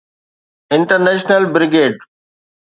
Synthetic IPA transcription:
ɪ̃ɳʈəɾneːʃnəlbɾɪɡeːɖ

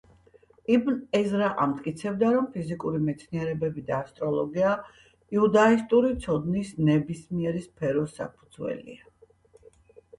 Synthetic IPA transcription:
ibnɛzɾaʔa̰mt̪ʼkʼit̪sʰɛbd̪aɾɔmpʰizikʼuɾimɛt̪sʰniɛɾɛbɛbid̪aːst̪ʼɾɔlˠɔɡia | iud̪aist̪ʼuɾit̪sʰɔd̪nisnɛbismiɛɾispʰɛɾɔsːa̰pʰu̥d̪zwɛ̰lḭa

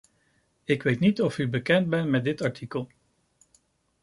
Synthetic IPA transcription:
ɪkʋejtnitɔfybəkɛnt̚bɛntmɛd̚dɪtɑɹtʰikəlˠ

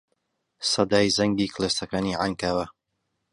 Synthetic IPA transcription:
sɐd̪aːjzɐŋɡiːkleːst̪ɐkaːniːʕaŋkaːwɐ

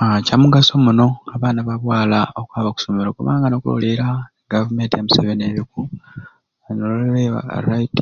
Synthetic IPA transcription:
acamuɡasomuno̞aβaːnaβaβwaːlaokwaːβaku̥someɾokoβa̰ːŋɡanokulo̰liɾa | ɡavume̞ːntijamuseβeneɾiku | nololɾea̰ɾait

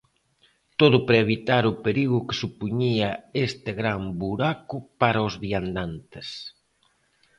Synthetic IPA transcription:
t̪oðʊpɾeeβ̞it̪aɾʊpeɾiɣʊkesupuɲiɐest̪eɣɾambuɾakʊpaɾɐʊzβiand̪ant̪es

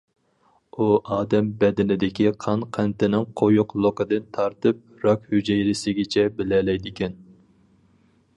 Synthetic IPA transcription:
uʔɑːd̪ɛmbɛd̪ɪnɪd̪ɪkʲiqʰɑnqʰænt̪ɪnɪŋqʰojʊqlˠokəd̪ɨnt̪ʰɑɾt̪ɨp̚ɾɑkʲhyd͡ʒɛjɾɪsɪɡʲɛt͡ʃʰɛbɪlɛlɛjd̪ɪkʲʰɛn

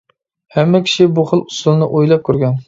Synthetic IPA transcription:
hɛmːɛkʲʰi̥ʃibuχəlˠusulˠnɨʔojlˠɑp̚kʲʰyɾɡʲɛn

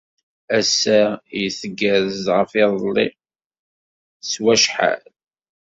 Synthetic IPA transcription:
æsːæjəθəɡːæɾəzʁəfɪðˤlːi | swæʃħa̰l

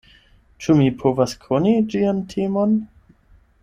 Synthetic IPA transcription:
t͡ʃumipʰovaskʰonid͡ʒiantʰemon

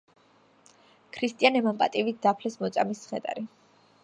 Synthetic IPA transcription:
kʰɾist̪ʼianɛmampʼa̰t̪ʼivit̪̚d̪apʰlɛsmɔt̪sʼa̰misχɛ̰d̪ʼa̰ɾi

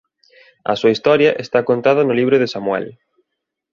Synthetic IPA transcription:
ɐ̰suɐist̪ɔɾjɐʔest̪akont̪að̞ɐnʊliβɾʊðɪsamwɛ̰l

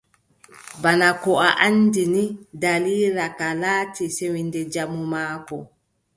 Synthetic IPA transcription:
banakɔaʔandinidaliːɾakalaːtisewindɛd͡ʒamumaːkɔ̰

